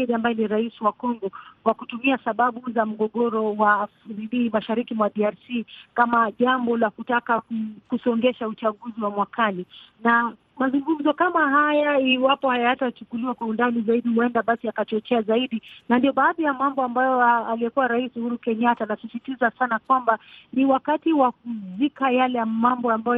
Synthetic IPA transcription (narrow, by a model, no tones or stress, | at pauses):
ɾiambajɛniɾaisiwakɔŋɡɔwakutumiasaɓaɓuzam̩ɡɔɠɔɾɔwafɾiliːmaʃaɾikimwaɗiaɾsikamaʄambɔlakutakakukusɔŋɡɛʃaut͡ʃaɠuziwamwakʰanina | mazuŋɡum̩zɔkamahajaiwapɔhajatat͡ʃukuliwakwaundanizaiɗihuɛndaɓasiakat͡ʃɔt͡ʃɛazaiɗinandiɔɓaːðijamambɔambajɔaliɛkuwaɾaisuhuɾukɛɲatanasisitizasanakwambaniwakatiwak̚uzikajalɛmambɔambaj